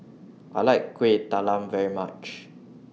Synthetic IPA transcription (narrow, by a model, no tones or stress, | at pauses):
ʔaɪlaɪkːwitalãmvɛɹimat͡ʃ